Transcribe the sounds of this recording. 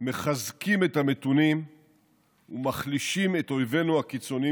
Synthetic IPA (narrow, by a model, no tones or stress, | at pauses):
me̞χazkime̞tame̞tunim | ṵmaχliʃime̞to̞jve̞nuakit͡so̞ni